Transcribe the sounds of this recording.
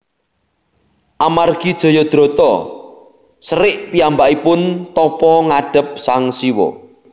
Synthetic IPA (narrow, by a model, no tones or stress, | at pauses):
ʔamarɡ̥id̥ʒ̥o̤jɔd̪̥ɾo̤t̪ɔ | səɾɪʔpijambaʔipʊnt̪ɔpɔŋaɖ̥ə̤p̚saŋsiwɔ̰